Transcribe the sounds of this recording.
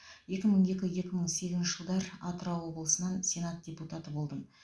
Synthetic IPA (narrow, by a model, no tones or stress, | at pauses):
je̞kʲɪməɴje̞kʲɪje̞kʲɪməɴse̞ɡʲɪznʃɪʒəlˠd̪ɑɾɑt̪əɾɑwwo̞bəlˠəsənɑnsʲe̞nat̪̚d̥ʲe̞put̪at̪əbo̞lˠd̪əm